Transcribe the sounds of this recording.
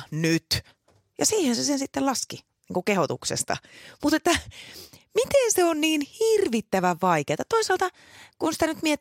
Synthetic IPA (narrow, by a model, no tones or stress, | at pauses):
nyt̪ | jɑsiːhensesensit̪ːelɑski | niːŋkukehot̪ṵksḛst̪ɑ̰mut̪et̪ːæ | mit̪enseonniːnhirʋit̪ːæʋæʋʋɑikeːt̪ɑt̪oisɑlt̪ɑ | kunsi̥t̪ænyt̪mie